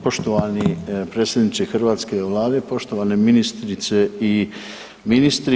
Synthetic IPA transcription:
po̞ʃt̪oʋanipɾet̪sed̪nit͡ʃ̪exr̩ʋaːt̪ske̞ʋlˠaːd̪e̞po̞ʃt̪oʋaneminist̪ɾit̪se̞i | minist̪ɾi

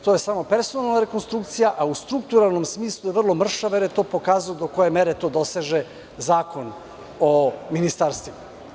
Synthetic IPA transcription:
t̪oje̞saːmo̞pe̞ɾsonalˠnaɾekonst̪ɾukt̪sijaʔaust̪ɾuk̚t̪uɾalˠno̞msmiːslˠud̪aʋr̩lˠo̞mr̩ʃaʋeɾjet̪o̞ːpo̞kaːzuod̪o̞ko̞je̞meɾet̪o̞ːd̪o̞seʒe | zaːkon | ominist̪aːɾst̪vima

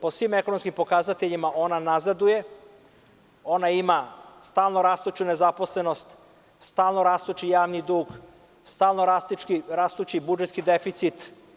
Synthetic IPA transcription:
posʋimekonomskimpo̞kaːzat̪eʎimaʔo̞nanazad̪uje̞ | o̞naimast̪aːlˠnoɾaːst̪ut͡ʃunezaposle̞nost̪ | st̪aːlnoɾaːst̪ut͡ʃijaːʋnid̪uːɡ | st̪aːlnoɾaskiɾaːst̪ut͡ʃibud͡ʒet̪kid̪efit̪sit̪

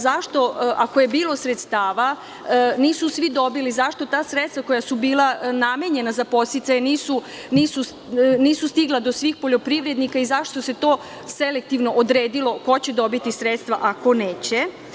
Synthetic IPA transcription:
zaʃt̪o̞akoje̞biːlo̞sɾet̪st̪aːʋa | niːsusʋid̪o̞bilizaʃt̪o̞t̪aːsɾet̪st̪ʋako̞jasubiːlaname̞ɲe̞nazapo̞t̪st̪it̪sajeniːsu | niːsu | niːsust̪iɡlˠad̪o̞sʋiːxpo̞ʎo̞pɾiʋɾe̞d̪nikaizaʃt̪o̞se̞t̪o̞ː | se̞le̞k̚t̪iʋno̞ʔod̪ɾeːd̪ilo̞ko̞t͡ɕed̪o̞bit̪isɾet̪st̪ʋaʔako̞neːt͡ɕe

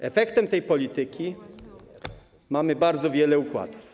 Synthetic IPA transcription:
ɛfɛkt̪ɛmt̪ɛjpɔlʲit̪ɘkʲi | mamɘbaɾd̪zɔvʲjɛlɛukwa̰d̪uf

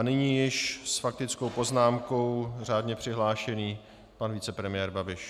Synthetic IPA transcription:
anɪɲiːjɪʃsfak̚t̪ɪt͡sko̞wpo̞znaːmko̞wr̝aːdɲɛpr̝̥ɪɦlaːʃɛniː | panvit͡sɛpɾɛmɪjɛːɾbabɪʃ

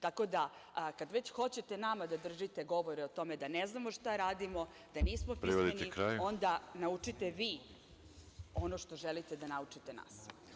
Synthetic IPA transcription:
t̪ako̞d̪akad̪ʋet͡ɕxo̞t͡ɕet̪e̞namad̪ad̪r̩ʒit̪eɡo̞ʋo̞ɾɛo̞t̪o̞med̪aneznamo̞ʂt̪aɾaːd̪imo̞ | d̪̥aniːsmopɾiiʋod̪iennikɾaːjo̞nd̪anaut͡ʂit̪eʋiː | o̞noʃt̪o̞ʒelit̪ed̪anaut͡ʂit̪ena̰ːs

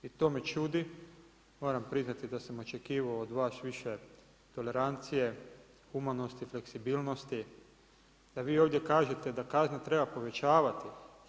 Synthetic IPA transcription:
it̪o̞ːmet͡ʃuːd̪i | mo̞ːɾampɾiznat̪id̪asamo̞t͡ʃe̞kiːʋaoːd̪ʋaːsʋiʃe̞ | t̪o̞le̞ɾant̪sije̞ | xumano̞st̪ifle̞ksibiːlno̞st̪i | d̪̥aʋiːo̞ːʋd̪je̞kaːʒe̞t̪e̞d̪akaznat̪ɾe̞bapo̞ʋe̞t͡ʃaːʋat̪i

